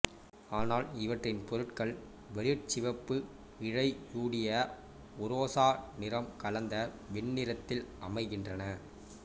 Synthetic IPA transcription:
aːnaːlɪʋɐʈrɪnpɔɾɯʈkɐɭ | ʋɛɾɯʈ̚t͡ʃɪʋɐpːɯ | ɪɻɐɪjuːɽɪjɐ | ʊɾoːsaːnɪɾɐmkɐlɐnd̪ɐ | ʋɪɳːɪɾɐt̪ːɪlʔɐmɐɪɣɪndrɐnɐ

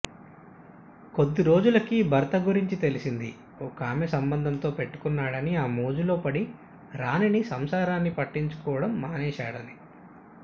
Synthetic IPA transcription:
ko̞d̪ːiɾo̞ːd͡ʒulɐkibʱɐɾt̪ɐɡuɾiɲt͡ʃit̪e̞lisind̪i | oːkaːmesɐmbɐnd̪ʱɐnt̪o̞ːpe̞ʈːu̥kunːaːɽɐniaːmoːd͡ʒulo̞ːpɐɽi | ɾaːninisɐmsaːɾaːnːipɐʈːiɲt͡ʃu̥kɔːʋɐɽɐmːaːnɛːʃaːɽɐni

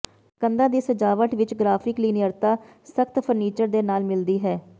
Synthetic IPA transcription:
kənd̪ãːd̪iːsəd͡ʒaːʋəʈʋɪt͡ʃɡɾaːpʰɪkliːnɪəɾt̪aː | səkt̪pʰəɾniːt͡ʃəɾd̪eːnaːlmɪld̪iːɦɛː

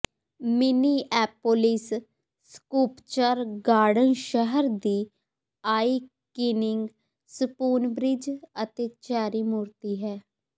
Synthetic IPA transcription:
mɪniːʔɛːpːoːlɪs | skuːpt͡ʃəɾɡaːɖənʃəɦəɾd̪iː | aːiː | kɪnɪŋɡ | səpuːnbɾɪd͡ʒət̪eːt͡ʃaːɾiːmuːɾt̪iːɦɛː

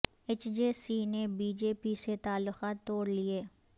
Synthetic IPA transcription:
et͡ʃd͡ʒeːsinebiːd͡ʒeːpiset̪aːlːʊxaːt̪ːoːɽlieː

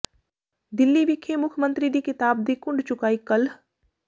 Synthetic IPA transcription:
d̪ɪlːiʋɪkʰːemʊkʰmə̃nt̪ɾid̪ikɪt̪aːbd̪ikʊ̃ɳɖt͡ʃʊkaːikɐl

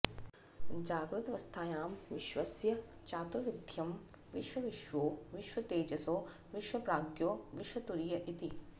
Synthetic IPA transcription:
d͡ʒaːɡɾut̪ɐʋɐst̪ʰaːjaːmʋɪʃʋɐsjɐt͡ʃaːt̪uʋid̪ʱjɐm | ʋiʃʋɐʋiʃʋoːʋiʃʋɐt̪eːd͡ʒɐsoː | ʋiʃʋɐpɾaːɡjoːʋiʃʋɐt̪uɾijɐʔit̪i

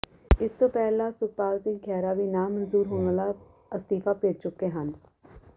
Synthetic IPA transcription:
ɪst̪oːpɛːlaːsʊpaːlzĩɡʱɛːɾaːbiːnaːmənzuːɾɦõŋlaː | əst̪iːfaːpeːʈ̚t͡ʃʊkeːɦən

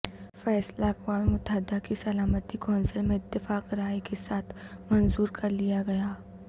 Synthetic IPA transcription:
fɛːslaɐkwaːmiʊt̪aːd̪akisɐlaːmət̪ikɔ̃ːnsəlmẽɪt̪ːɪfaːqɾaːikesaːt̪ʰmɐnzuːɾkɐɾlijaɡɐjaː

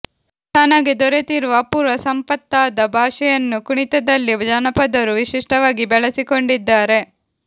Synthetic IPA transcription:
t̪aːnaːɡid̪ɔɾet̪iɾuʋɐpuːɾʋɐsɐmpɐt̪ːaːd̪ɐbʱaːʂɛjɐnːukuɳit̪ɐd̪ɐlːiʋɐd͡ʒaːnɐpɐd̪ɐɾuʋiʃiʂʈɐʋaːɡibɛɭɐsikoɳɖid̪ːaːɾe̞

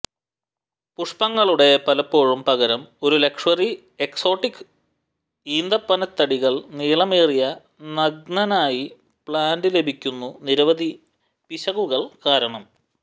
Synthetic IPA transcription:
puʂpɐŋːɐɭuɽe̞pɐlɐpːo̞ːɻumpɐɣɐɾɐmo̞ɾule̞kʂɐri | e̞kso̞ːʈːikːɨ̥ | iːnd̪ɐpːɐnɐt̪ːɐɽiɣɐɭniːɭɐmeːrijɐ | nɐɡ̚nɐnaːji | pɭaːndile̞bʱikʲːunːuniɾɐʋɐd̪ʱi | piɕɐɣuɣɐɭkaːɾɐɳɐm

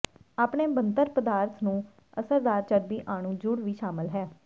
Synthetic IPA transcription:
aːpɳeːbənt̪əɾpəd̪aːɾt̪ʰnũː | əsəɾd̪aːɾt͡ʃəɾbiːʔaːɳ̃ũːd͡ʒʊɽʋiːʃaːmɪlɦɛː

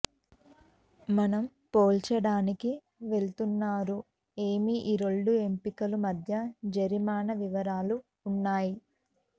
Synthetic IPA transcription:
mɐnɐm | poːlt͡ʃɐɽaːniki | ʋe̞ɭt̪unːaːɾu | e̞ːmiʔiɾo̞ɭɖue̞mpikɐlumɐd̪ʱjɐd͡ʒɐɾimaːnɐʋiʋɐɾaːluː | nːaːji

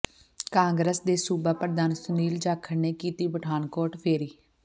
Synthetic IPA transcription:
kãːŋɡɾəsd̪eːsuːbaːpəɾd̪aːnsʊniːld͡ʒaːkʰːəɾneːkiːt̪iːbəʈʰaːnkoːɾʈpʰeːɾiː

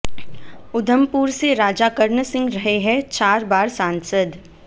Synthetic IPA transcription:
ʊd̪ʱəmpuːɾseɾaːd͡ʒakəɾnəsɪ̃ŋɡɾɐɦeɦɛ̃t͡ʃaːɾbaːɾsãːnsəd̪

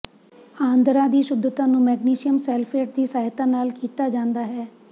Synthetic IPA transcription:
ãːnd̪ɾaːd̪iːʃʊd̪ʱːət̪ãːnũːmɛːɡniːʃɪjəmsɛːlfeːʈ̚d̪iːsaːɦɪt̪ãːnaːlkiːt̪aːd͡ʒãːnd̪aːɦɛː

